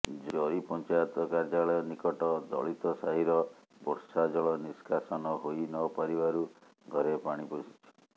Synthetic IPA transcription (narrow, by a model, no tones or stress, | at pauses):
d͡ʒɔɾipɔnt͡ʃajɔt̪ɔkaɾd͡ʒaɭɔjɔnikɔʈɔd̪ɔ̰ɭit̪ɔsaɦiɾɔ | bɔɾsad͡ʒɔɭɔniskʰasɔnɔɦojnɔpaɾibaɾu | ɡʱɔɾepaɽ̃iposi̥t͡ʃʰɔ̥